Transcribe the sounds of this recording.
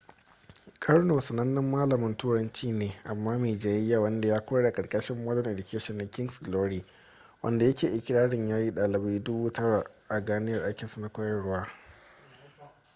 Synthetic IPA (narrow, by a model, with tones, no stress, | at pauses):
kʼɐ˦ɽnoː˨sɐ˨nɐ˦nːɪ˦mːaː˦lɐ˨mɪ˦ntuː˦ɽɐ˦nt͡ʃiː˦neː˨ʔa˨mːaː˦miː˨d͡ʒaː˨˦jɪ˦jːa˨wɐ˦nda˨jaː˦kʷoː˦ɽaː˨kʼɐ˨ɽkʼɐ˦ʃɪ˦mːɐː˦lɔ˦ŋʔe˨dɪ˨kʲʰeː˦ʃɔ˨nːa˨kʲɪ˦ŋɡsɡloː˦ɽiː˨ | wʔɐ̰˦nda˨jɐ˦kʲeː˨ʔɪ˦kʲɪ˦ɽaː˦ɽɪ˨ɲjaː˦jiː˦ɗaː˨lɪ˨ba˦dʊ˦buː˦tɐ˦ɽa˨ʔa˨ɡaː˦nɪ˦jɐ˨rʔa˦jkʲɪ˨nsu˨na˦kʷɐ˦jɐ˨ɽwaː˦